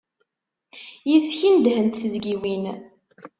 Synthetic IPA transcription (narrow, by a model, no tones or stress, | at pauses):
jisçind̪hənt̪θəzɡiwin